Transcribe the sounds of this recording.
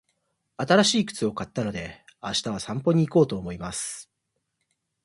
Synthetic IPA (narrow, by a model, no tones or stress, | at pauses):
at̪aɾaɕiːkɯ̟̥t͡sɨo̞kat̪ːano̞d̪e̞aɕi̥t̪aβ̞asãmpo̞ɲ̟iːko̞ːt̪o̞ːmo̞imasɨ̥